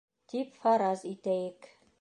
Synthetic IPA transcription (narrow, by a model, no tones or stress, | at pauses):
t̪ipfɑɾɑzit̪æjɘk